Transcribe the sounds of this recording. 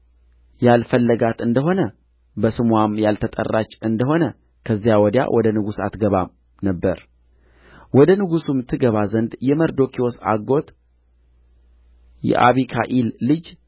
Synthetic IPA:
jalfəlːəɡat̪ɨnd̪əɦo̞nə | bəsɨmwamjalt̪ʰət̪ʼə̰rːat͡ʃːɨnd̪əɦo̞nə | kʰəzːijawɔd̪ja̰wʔɔd̪ənɨɡusa̰t̪ɡəβa̰m | nəbːəɾ | wɔd̪ənɨɡusumt̪ʰɨɡəβazənd̪jɛməɾd̪o̞kʰio̞sa̰ɡo̞t̪ | jɛ̰ʔa̰βikʰaʔilːɨd͡ʒ

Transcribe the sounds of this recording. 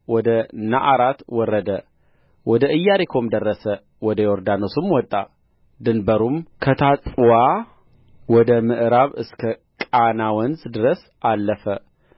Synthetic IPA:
wɔd̪əna̰ʔaɾat̪wɔrːəd̪ə | wɔd̪əʔɨjːaɾikʰo̞md̪ərːəsə | wɔd̪əjoɾd̪anosumwɔt̪ʼːa | d̪ɨnbəɾumkʰət̪ʰat͡sʼwa | wɔd̪əmɨʔɾaβɨskʰəkʼanawɔnzd̪ɨɾəs | ʔalːəfə

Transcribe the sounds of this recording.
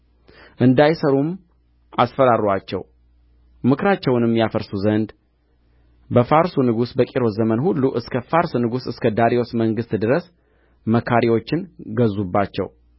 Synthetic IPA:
ʔɨnd̪ajsəɾum | ʔa̰sfəɾaɾwat͡ʃːɛ̰w | mɨkɾat͡ʃːɛwnɨmːjafəɾsuzənd̪ | bəfaɾsunɨɡusbəkʼiɾo̞zəmənhulːuʔɨskʰəfaɾsnɨɡusɨskʰəd̪aɾio̞sməŋɡɨst̪d̪ɨɾəs | məkʰaɾiwo̞t͡ʃːɪnɡəzːubːat͡ʃːɛ̰w

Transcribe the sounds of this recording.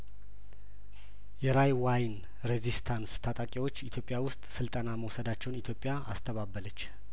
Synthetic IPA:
jɛɾajwajn | ɾezist̪ʰanst̪ʰat̪ʼakʼiwo̞t͡ʃːit̪ʰjo̞pʼjawʊst̪ʼsɨlt̪ʼənaməwsəd̪at͡ʃːɛwnit̪ʰjo̞pʼːjaʔa̰st̪ʰəβabːələt͡ʃː

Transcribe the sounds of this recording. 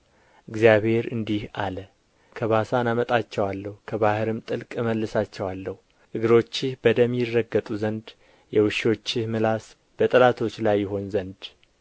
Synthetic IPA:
ʔɨɡzijaβhe̞ɾɨnd̪ihalə | kʰəβasanamət̪ʼat͡ʃːɛwalːəhukʰəβahɨɾɨmt̪ʼɨlkʼməlːɨsat͡ʃːɛwalːəhu | ʔɨɡɨɾo̞t͡ʃːɪhbəd̪əmːjɪrːəɡːət̪ʼuzənd̪ | jɛwɨʃo̞t͡ʃːɪhmɨlas | b̥ət̪ʼɨlat̪ʰo̞t͡ʃːlajːɪɦo̞nzənd̪

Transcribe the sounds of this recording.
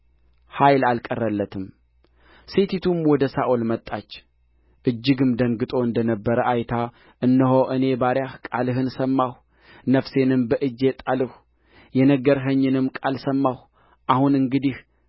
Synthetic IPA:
hajlalkʼərːəlːət̪ʰɨm | set̪ʰit̪ʰumwɔd̪əsaʔolmət̪ʼːat͡ʃː | ʔɨd͡ʒːɨɡɨmd̪əŋɡɨt̪ʼo̞ɨnd̪ənəbːəɾəʔajt̪ʰa | ʔɨnːəɦoʔɨne̞baɾjahkʼalɨɦɨnsəmːah | nəfse̞nɨmbəʔɨd͡ʒet̪ʼalɨh | jɛnəɡəɾɦəɲːɨnɨmkʼalsəmːaw | ʔahunɨŋɡɨd̪ih

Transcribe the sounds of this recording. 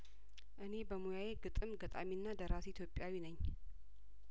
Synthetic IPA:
ʔɨne̞bəmujaje̞ɡɨt̪ʼɨmɡət̪ʼa̰miɨnːad̪əɾasʔit̪ʰjo̞pʼjawinəɲː

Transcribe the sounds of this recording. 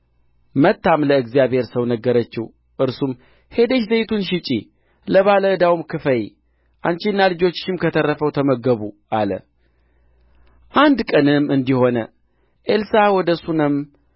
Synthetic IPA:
mət̪ːamləɨɡzijaβhe̞ɾsəwnəɡːəɾət͡ʃːɪh | ʔɨɾsum | he̞d̪əʃzejt̪ʰunʃɪt͡ʃʼi | ləβaləd̪awumkʰɨfəj | ʔant͡ʃinːalɨd͡ʒo̞t͡ʃːɪmkʰət̪ʰərːəfəwt̪ʰəməɡəβuʔalə̰ | ʔand̪kʼənɨmɨnd̪iho̞nə | ʔelsawɔd̪əsunɨm

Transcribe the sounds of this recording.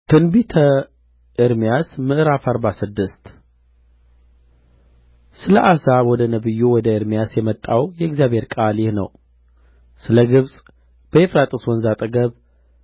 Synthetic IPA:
t̪ʰɨnbit̪ʰə | ɨɾmijasmɨʔɾafaɾbasɨd̪ːɨst̪ | sɨləʔazawɔd̪ənəβɨjːuwɔd̪əɨɾmijasjɛmət̪ʼːawjɛɡzijaβhe̞ɾkʼaljɪhnə̰w | sɨləɡɨβsʼ | b̥əefɾat̪ʼɨswɔnzat̪ʼəɡəβ

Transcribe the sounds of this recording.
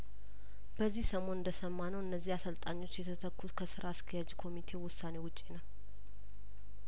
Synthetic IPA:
b̥əzːihsəmo̞nɨnd̪əsəmːanəwɨnːəzːihasəlt̪ʼaɲːo̞t͡ʃːjɛt̪ʰət̪ʰəkːuskʰəsɨɾaːskʰəjad͡ʒkʰo̞mit̪ʰe̞wʊsːane̞wʊt͡ʃʼːenəw

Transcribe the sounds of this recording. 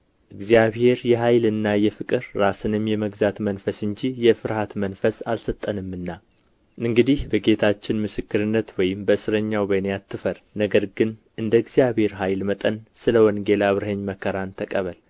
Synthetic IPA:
ʔɨɡzijaβhe̞ɾjɛɦajlɨnːajɛfɨkʼɨɾːasɨnɨmjɛməɡzat̪mənfəsɨɲd͡ʒijɛfɨɾhat̪mənfəsalsət̪ʼːənɨmːɨnːa | ʔɨŋɡɨd̪ihbəɡe̞t̪ʰat͡ʃːɪnmɨsɨkːɨɾɨnːət̪wɔjɪmbəɨsɨɾəɲːawbənejat̪ʰːɨfəɾnəɡəɾɡɨn | ɨnd̪əɨɡzijaβhe̞ɾɦajlmət̪ʼənsɨləwɔŋɡe̞laβɾɨhəɲməkʰːəɾant̪ʰəkʼəβəl

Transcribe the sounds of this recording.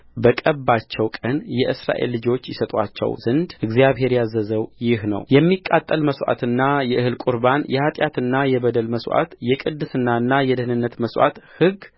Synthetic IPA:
bəkʼəbːat͡ʃːɛwkʼənjɛʔɨsɾa̰ʔe̞̰lːɨd͡ʒo̞t͡ʃːjɪsət̪ʼwa̰t͡ʃːɛ̰wzɨnd̪ʔɨɡzjaβɦe̞ɾjazəzəwjɪhnə̰wjɛmːikʼːat̪ʼːəlməswʔa̰t̪ɨnːajɛʔɨhɨlkʼuɾbanjɛhat̪ʼjat̪ɨnːajɛbəd̪əlməsʔa̰t̪jɛkʼɨd̪ːɨsɨnːaɨnːajɛd̪əhnɨnːət̪məswʔa̰t̪hɨɡ

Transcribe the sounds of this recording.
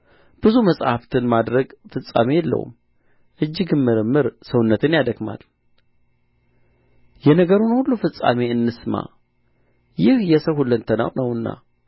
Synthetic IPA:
b̥ɨzuməsʼhaft̪ʰɨnmad̪ɾəɡfɨsʼːa̰mejɛlːə̰wṵm | ʔɨd͡ʒːɪɡɨnmɨɾɨmːɨɾsəwnːət̪ʰɨnjad̪əɡma̰l | jɛnəɡəɾunhulːufɨsʼːa̰meɨnːɨsma̰ | jɪhjɛsəwhulːənt̪ʰəna̰wnəwɨnːa̰

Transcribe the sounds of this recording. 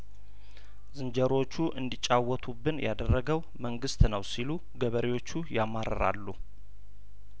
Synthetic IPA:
zɨnd͡ʒəɾo̞t͡ʃːuʔɨnd̪it͡ʃʼawɔt̪ʰubːɨnjad̪ərːəɡəw | məŋɡɨst̪nəwsilu | ɡəβəɾiwo̞t͡ʃːujamaɾə̰ɾa̰lːu

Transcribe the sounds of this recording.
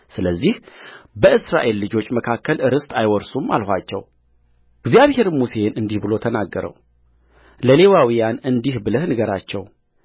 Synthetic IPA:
sɨləzːihbəɨsɾa̰ʔe̞lːɨd͡ʒo̞t͡ʃːməkʰakːəlʔɨɾɨst̪ajwɔɾsuma̰lhʷat͡ʃːɛw | ɨɡzjaβhe̞ɾɨmuse̞nɨnd̪ihbɨlo̞t̪ʰənaɡːəɾə̰w | ləle̞wawijanɨnd̪ihbɨləhnɨɡəɾat͡ʃːɛw

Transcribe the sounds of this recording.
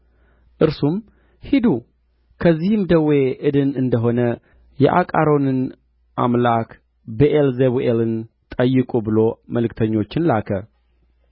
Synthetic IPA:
ʔɨɾsum | hid̪u | kʰəzːihɨmd̪əwe̞ʔɨd̪ɨnɨnd̪əɦo̞nə | jɛ̰ʔa̰kʼaɾo̞nɨn | ʔa̰mlak | bəʔelzeβʔelɨn | t̪ʼəjːɨkʼubɨlo̞məlɨkt̪ʰəɲːo̞t͡ʃːɪnlakʰə

